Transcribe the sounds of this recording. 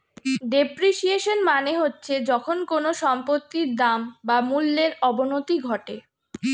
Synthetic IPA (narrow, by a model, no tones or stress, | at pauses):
ɖepɾiʃieʃonmaneɦotːɕʰed͡ʑɔkʰonkonoʃɔmpot̪ːiɾd̪ambamulːeɾɔbonot̪iɡʱɔʈe